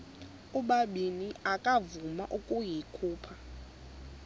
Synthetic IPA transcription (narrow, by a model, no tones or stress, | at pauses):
uɓaɓiniakʼavuma̰ʔukʼujikʰuːpʰa